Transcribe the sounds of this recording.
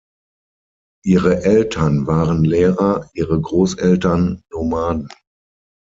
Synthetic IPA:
ʔiːʁəʔɛltʰɐnvaːʁənleːʁɐʔiːʁəɡʁoːsʔɛltɐnːomaːdn̩

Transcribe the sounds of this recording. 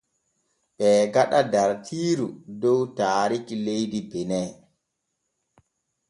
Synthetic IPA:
ɓɛːɡaɗadaɾtʰiːɾudɔwtaːɾikilejdibɛnɛ

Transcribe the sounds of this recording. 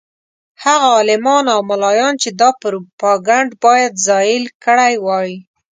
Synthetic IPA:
haɣaɑlɪmɑnawmalɑjɑnt͡ʃed̪ɑpəɾpɑɡaɳɖbɑjad̪zɑjɪlkəɽajwɑji

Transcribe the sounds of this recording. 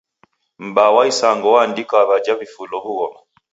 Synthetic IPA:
m̩bawaisaŋɡɔwaːndikaβad͡ʒavifulɔhuɣɔma

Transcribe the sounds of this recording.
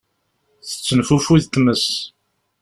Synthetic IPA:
θə̥t͡sːənfufuðt̪məs

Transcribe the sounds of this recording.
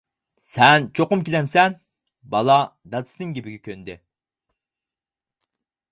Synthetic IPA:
sɛnt͡ʃʰoqʊmkʲilɛmsɛn | bɑlˠɑd̪ɑd̪ɨ̥sɨnɨŋɡʲebɪɡʲɛkʲʰønd̪ɪ̰

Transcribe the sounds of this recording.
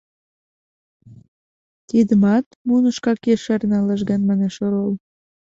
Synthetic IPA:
t̪id̪əmɑt̪munəʃkɑkeʃærnɑlɑʒɣænmɑneʃoɾol

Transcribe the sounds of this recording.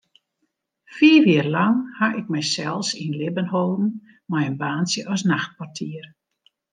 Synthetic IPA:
fiːʋɪərlɑŋhaʔɪk̚mɛjsɛlˠsinlɪbənholˠdn̩ | majənbaːnsjəʔɔsnaxt̚pwartʰiər

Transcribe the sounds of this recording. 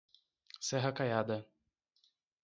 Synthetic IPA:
sɛɦɐkajad̪ɐ

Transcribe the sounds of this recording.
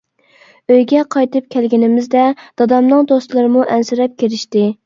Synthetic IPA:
øjɡʲɛqʰɑjt̪ɨp̚kʲʰɛlɡʲɪnɪmɪzd̪ɛd̪̥ɑd̪ɑmnɨŋd̪ost̪lˠɨɾɨmuʔɛnsɪɾɛp̚kʲʰeɾɪʃt̪ɪ

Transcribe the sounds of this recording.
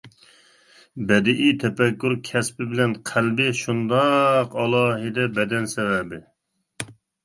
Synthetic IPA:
bɛd̪ɪʔit̪ʰɛpɛkʲːuɾkʲʰɛspɪbɪlɛnqʰælbɪʃund̪ɑqɑlˠɑːɦɨd̪ɛbɛd̪ɛnsɛvɛbɪ

